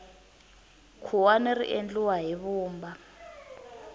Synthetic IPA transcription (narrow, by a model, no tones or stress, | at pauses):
kʰuwanerḭʔend͡ɮuwaɦiβuːmba